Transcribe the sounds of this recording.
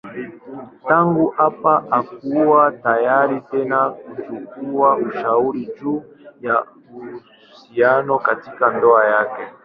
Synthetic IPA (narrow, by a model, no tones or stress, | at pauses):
taŋɡuʔapaʔak̚uwatajaɾitɛnakut͡ʃukuaʔuʃauɾid͡ʒu | ja | u | sianɔkatikandɔajakɛ